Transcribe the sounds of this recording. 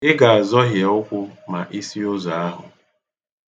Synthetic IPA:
ɪ˦ɡa˨a˨zɔ˦ɦjɛ˨ʊ˦kʷʊ˦ma˨ʔi˦si˦ʊ˦za˨a˦ɦʊ̰˨

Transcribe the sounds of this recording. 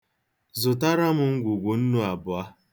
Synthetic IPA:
zʊ˨ta˦ɾa˦mʊ˨ŋ̩˦ɡʷu˨ɡʷu˨n̩˦nʊ˦a˨bʊ˨a˦

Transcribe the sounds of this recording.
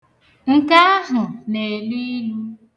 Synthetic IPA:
ŋ̩˦ka˦a˦ɦʊ˨ne˨e˨lu˦i˦lu˦

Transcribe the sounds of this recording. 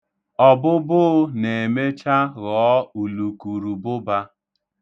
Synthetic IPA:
ɔ˦bʊ˦bʊ˦ne˨e˨me˦t͡ʃa˦ɣɔː˨˦u˨lu˨ku˨ɾu˨bʊ˦ba˦

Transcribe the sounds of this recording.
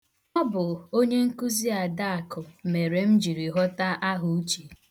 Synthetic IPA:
nɔ˦bʊ˨o˦ɲe˦ŋ̩˦ku˦zi˦a˨da˦a˨kʰʊ˨me˨ɾe˨m̩˦d͡ʒi˨ɾi˨ɦɔ˦ta˦ʔa˦ɦʊ˨u˦t͡ʃi˨

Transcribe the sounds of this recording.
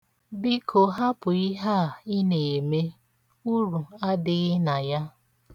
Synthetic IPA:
bi˦kʰo˨ɦa˦pʊ˨i˦ɦa˦˨ɪ˦ne˨me˦ | u˦ɾu˨a˦dɪ˦ɣɪ˦na˨ja˦

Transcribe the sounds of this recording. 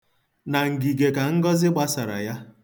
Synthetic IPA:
na˨ŋ̩˨ɡi˨ɡe˨ka˨ŋ̩˦ɡɔ˦zɪ˦ɡ͡ba˦sa˨ɾa̰˨ja˦

